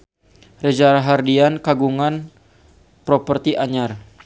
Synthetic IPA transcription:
rəd͡ʒaɾaɦardiankaɡuŋan | pɾopərt̪iʔaɲar

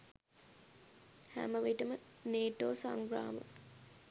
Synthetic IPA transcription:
hæ̰məʋiʈəməneːʈoːsaŋɡɾaːmə̰

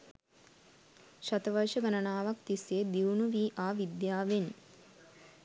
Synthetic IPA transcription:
ʃɐt̪ɐʋɐɾʃəɡɐnɐnaːʋɐkt̪isjed̪iʋnuʋiːʔaːʋid̪jaːʋen

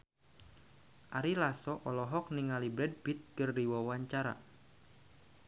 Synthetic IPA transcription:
ʔaɾilasɔʔɔlɔɦɔk̚niŋalibɾɛd̚bit̪̚kərdiwawaɲt͡ʃaɾa̰

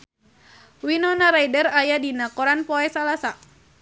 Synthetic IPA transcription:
winɔnaɾajdərajadinakɔɾanpɔɛsalasa

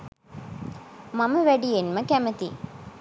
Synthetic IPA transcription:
maməʋæɖijenməkæmət̪i

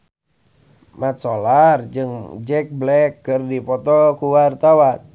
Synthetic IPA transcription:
mat̪̚solard͡ʒɨŋd͡ʒɛk̚blɛkːɨrdipɔt̪ɔkuwart̪awan

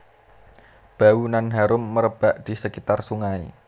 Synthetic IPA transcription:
b̥aunanɦaɾʊmːəɾəb̥aʔd̪̥i̤səkit̪arsuŋaḭ

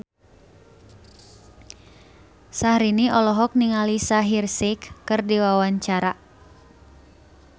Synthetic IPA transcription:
sahɾiniʔɔlɔɦɔk̚niŋalisaɦirsikːɨrdiwawaɲt͡ʃaɾa

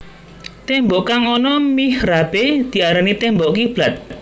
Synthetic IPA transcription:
t̪ɛmbɔʔkaŋɔnɔmihrab̥ed̪̥i̤aɾanit̪ɛmbɔʔkib̥lat̪̚

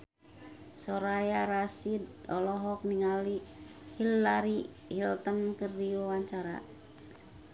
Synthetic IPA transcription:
sɔɾajaɾasid̪̚ɔlɔɦɔk̚niŋalihilːaɾi | hilt̪ənkərdiwawaɲt͡ʃaɾa̰

